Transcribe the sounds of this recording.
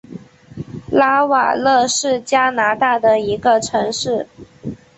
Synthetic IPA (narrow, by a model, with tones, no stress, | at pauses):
la˥wa̰˨˩lɤ˥˧ʂɻ̩˥˩t͡ɕja˥na˧˥t̪a˥˩d̪ə˩i˧˥ɡə˧ʈ͡ʂʰɤ˧˥ŋʂɻ̩˥˩